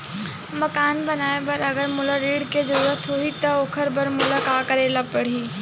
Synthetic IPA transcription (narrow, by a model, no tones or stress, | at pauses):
mɐkaːnbɐnaːebɐɾɐɡəɾmʊləɾiːɽkezɐɾuːɾət̪ɦoːit̪ɐoːkʰəɾbɐɾmʊləkaːkəɾeːlapɐɽ̤iː